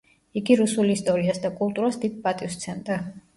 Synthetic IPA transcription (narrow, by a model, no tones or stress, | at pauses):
iɡiɾusulist̪ʼɔɾiasd̪akʼulˠt̪ʼuɾasd̪id̪̚pʼat̪ʼifst̪sʰɛnd̪a